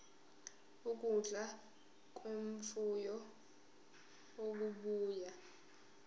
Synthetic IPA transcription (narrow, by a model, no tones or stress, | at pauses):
ukʼuɮʱa | kʼweɱfujɔ | oɓuɓuːja